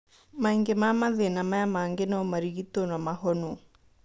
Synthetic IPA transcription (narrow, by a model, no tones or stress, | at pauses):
maiŋɡemamaðenamajamaŋɡenɔɔmaɾiɣit̪onamaɦɔno